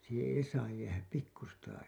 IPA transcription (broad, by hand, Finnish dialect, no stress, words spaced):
siːhẽː ei sɑːj jæːhæp pikːustɑː